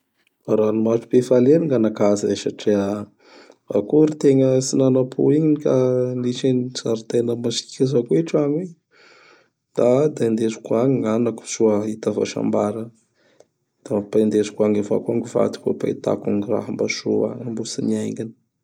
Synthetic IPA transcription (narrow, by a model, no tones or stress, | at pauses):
faɾanumaʈ͡ʂu̥pefaleniŋɡanakazəeʃaʈ͡ʂeə | va̰kuɾit̪eŋəsinanapʰṵiɲiikaniʃensaɾit̪enəmasi̥kʲazakuiʈ͡ʂaɲwe | d̪̥ad̪and̪ezu̥kuaɲiŋanaku̥suəit̪ava̰ʃa̰mbaɾə | d̪̥apand̪ezu̥kuaŋava̰kuaŋɡiva̰t̪u̥ko̰pa̰it̪a̰kaŋira̰ɦəmbaʃua̰ambusiniajŋɡini̥